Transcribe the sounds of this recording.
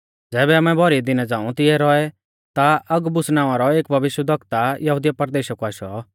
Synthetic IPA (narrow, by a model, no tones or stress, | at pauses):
d͡zɛːbɛamɛbʱɔɾid̪ɪnɛd͡zãːũt̪ɪɛɾɔɛ | t̪aɐɡbʊsnãːʋ̃ãɾɔeːkbʱɐʋɪʃəd̪ʱɐkt̪ajɐɦuːd̪ɪjapɐɾd̪eːʃɐkuaːʃɔ